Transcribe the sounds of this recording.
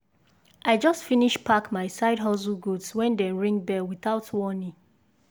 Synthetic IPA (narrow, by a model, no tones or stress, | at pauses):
ʔaɪd͡ʒɔstfiniʃpʰakmaɪsaɪdɦɔzuɡudswɛ̃ndɛ̃ɹĩŋbɛlwiθaʊtwɔnĩ